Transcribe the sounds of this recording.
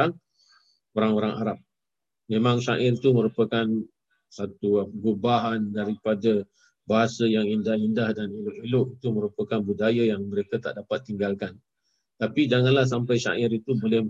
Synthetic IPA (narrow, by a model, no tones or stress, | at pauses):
aŋ | oɾaŋoɾaŋa̰ɾap̚ | mẽmãŋʃa̰ʔɪrt̪umə̃ɾupəkan | sat̪uɡobaɦandaɾipadə | baɦasəjaŋindahindahdanilʊʔilʊʔit̪uməɾupəkanbudajajaŋməɾekat̪a̰ʔdapat̪ːiŋɡalkan | t̪apid͡ʒaŋanlahs̬ampajʃa̰ʔɪɾit̪ubolɪh